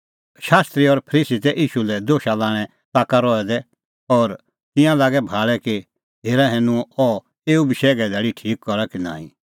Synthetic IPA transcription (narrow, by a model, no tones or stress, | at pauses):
ʃaːst̪ɾiɔɾpʰəɾiːsit̪ɛʔiːʃulɛd̪oːʃalaːɽ̃ɛ | t̪aːkaɾɔːɛd̪ɛ | ɔːɾ | t̪ɪ̃jãlaːɡɛbʱaːɭɛke | ɦeːɾaɦeːnũɔ | eːubɪʃɛːɡɛd̪ɛːɽiʈʰiːkːɔɾakinã̰ːĩ